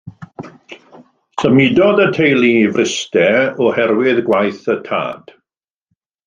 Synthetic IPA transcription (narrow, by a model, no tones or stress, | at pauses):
səmɪdɔdətʰejlˠivrɪstɛɔhɛɾwɪðɡwajθətʰa̰ːd̥